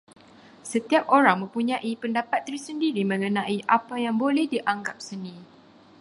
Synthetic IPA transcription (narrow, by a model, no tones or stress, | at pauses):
sət̪iap̚oɾaŋmə̃mpuɲãʔipəndapat̪̚ːɾisəndiɾimə̃ŋə̃nãiʔapajaŋbolɛhdiʔaŋɡap̚sənĩ